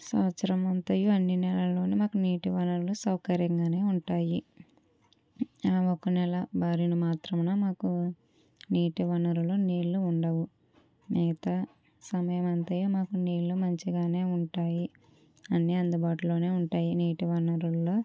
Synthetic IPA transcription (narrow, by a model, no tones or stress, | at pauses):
sɐːʋɐt̪sɐɾɐmɐnt̪ɐjuɐnːinɛlɐlo̞ːnimaːkuniːʈiʋɐnɐɾulusɐwkɐɾjɐŋɡaːne̞ːuɳʈaːji | ɔkɐnɛlɐbaːɾinumaːt̪ɾɐmnaːmaːku | niːʈiʋɐnɐɾuloːniːɭːuːɳɖɐʋu | mɛɡɐt̪ɐ | sɐmɐjɐmɐnt̪ɐjumaːkuniːɭːumɐɲt͡ʃiɡaːne̞ːuɳʈaːji | ɐnːiɐnd̪ubaːʈulo̞ːne̞ːuɳʈaːjiniːʈiʋɐnɐɾuloː